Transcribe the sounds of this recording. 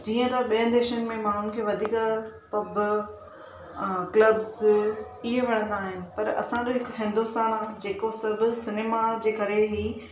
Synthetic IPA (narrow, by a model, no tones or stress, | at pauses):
d͡ʑiːə̃t̪ɐɓijə̃nd̪eːʃənɪ̆mẽmaːɳ̤ʊnɪ̆kʰeːʋɐd̪ʱiːkpɐb | klɐbz | ɪɦeʋɐɽ̃ə̃nd̪aːɦɪnɪ̆pɐɾɐ̰sãd͡ʑoɦɪkɦɪ̃nd̪ust̪aːɽ̃ad͡ʑeːkosɐbʱʊsɪneːmad͡ʑeːkɐɾeɦiː